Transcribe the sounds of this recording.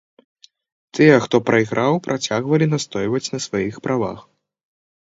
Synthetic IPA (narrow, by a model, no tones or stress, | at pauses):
t̪ɨjɛxt̪ɔpɾʔɐiɣɾʔawpɾʔat͡sʲaɣvɐlʲinast̪ɔjvɐt͡sʲnɐsvajixpɾʔava̰x